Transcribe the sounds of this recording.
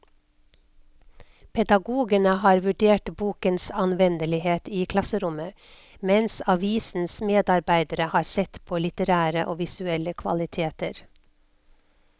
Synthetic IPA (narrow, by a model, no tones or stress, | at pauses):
pʰɛd̪ɑɡuːɡənəhɑːɾʋʉɖeːʈbuːkənsɑnʋɛnd̪əlɪheːt̪iːkʰlɑsəɾʊmə | mɛnsɑʋiːsn̩smeːd̪ɑɾbæɪd̪əɾəhɑːɾsɛt̪pʰoːlɪt̪əɾæːɾəʔoːʋɪsʉɛləkʰʋɑ̰lɪt̪ʰeːt̪əɾ